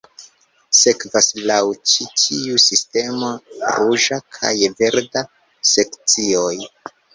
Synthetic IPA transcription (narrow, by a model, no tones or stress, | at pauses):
se̞kvaslawt͡ʃitʰiusiste̞maɾuʒakʰa̰jve̞ɾda | se̞kt͡sio̞j